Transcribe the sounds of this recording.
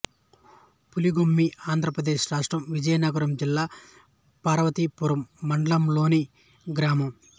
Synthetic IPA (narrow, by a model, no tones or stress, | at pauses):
puliɡomːiaːnd̪ʱɾɐpɾɐd̪eːʃɾaːʂʈɾɐmʋid͡ʒɐjnɐɡɐɾɐmd͡ʒilːaː | paːɾɐʋɐt̪ipuɾɐmːɐɳɖɐlɐmlo̞ːni | ɡɾaːmɐm